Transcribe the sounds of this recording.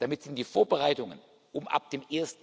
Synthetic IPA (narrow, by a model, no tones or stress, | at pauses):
d̥amɪtz̥ɪnd̥iːfoːɐbəʁaɪtʊŋən | ʔʊmʔa̰p̚d̥eːmʔeːɐst̩